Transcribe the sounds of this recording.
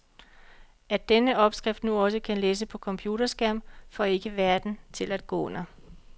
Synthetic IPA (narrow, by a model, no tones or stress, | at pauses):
æd̥enəɒ̽b̥sɡ̥ʁɛfd̥nuɒ̽səkʰænleːs̬əpʰɒ̽kʰɒ̽mpʰjuːd̥ɐsɡ̥æm̰fɒ̽e̝ɡ̥əʋæɐd̥n̩t͡sʰe̝læd̥̚ɡ̥ɔ̰̽ːɔn̰ɐ